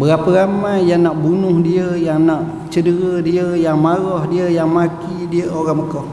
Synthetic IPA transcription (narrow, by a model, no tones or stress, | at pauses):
bəɾapəɾamajːaŋnaʔbunʊhdiəjaŋnaʔ | t͡ʃədəɾədiəjaŋmaɾɔhdiəjaŋmakidiəoɾaŋməkɔh